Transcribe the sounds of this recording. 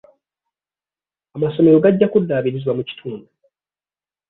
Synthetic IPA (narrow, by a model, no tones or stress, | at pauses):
amaso̞me̞ɾo̞ɡaɟːakudːaːβiɾizwamuci̥tʰuːndu